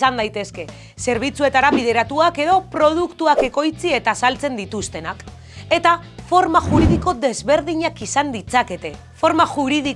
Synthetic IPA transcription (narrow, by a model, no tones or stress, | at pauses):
sand̪ajt̪e̞ske̞ | se̞ɾβ̞it͡sue̞t̪aɾaβiðe̞ɾat̪uake̞ð̞o̞pɾo̞ð̞ukt̪uake̞ko̞jt͡sie̞t̪asalt͡se̞nd̪it̪ust̪e̞nak | e̞t̪afo̞ɾmaʝuɾiðiko̞ðe̞zβe̞ɾð̞iɲakisand̪it͡sake̞t̪e̞ | fo̞ɾmaʝuɾiði